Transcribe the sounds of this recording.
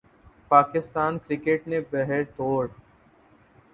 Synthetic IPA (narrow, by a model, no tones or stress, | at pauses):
paːkɪst̪aːnkɾɪkeʈnebɛɦɛɾt̪oːɽ